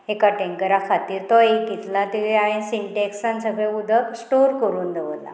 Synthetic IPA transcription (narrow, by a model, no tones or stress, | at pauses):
ekaʈẽŋkəɾakʰat̪iːɾt̪ɔekit̪lat̪iʋeaẽnsiɳʈeksansəɡɭẽud̪ʱəksʈoɾkəɾuːnd̪eʋəla̰